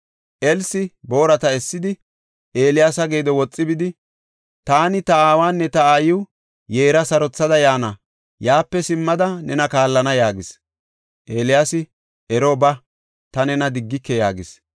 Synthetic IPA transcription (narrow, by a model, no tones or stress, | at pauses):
ʔɛlsɪbo̞ːɾɐt̪ɐɛsːɪd̪ɪ | ʔe̞ːlɪjaːsɐɡe̞ːd̪ɔwɔt͡sʼːɪbɪd̪ɪ | t̪aːnɪt̪ɐaːwaːnːɛt̪ɐaːjɪw | je̞ːɾɐsɐɾɔt͡sːɐd̪ɐjaːnɐ | jaːpːɛsɪmːɐd̪ɐnɛnɐkaːlːɐnɐjaːɡɪs | ʔe̞ːlɪjaːsɪ | ɛɾobɐ | t̪ɐnɛnɐd̪ɪɡːɪkːɛjaːɡɪs